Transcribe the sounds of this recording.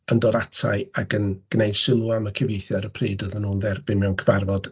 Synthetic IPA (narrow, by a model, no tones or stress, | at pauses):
əndɔɾatʰa̰ɨaɡənɡ̥nejdsɪlˠʊaməkʰəvejθjɔɾəpʰriːdɔðənuːnðɛrbɪnmɛwnkʰəvarvɔd̥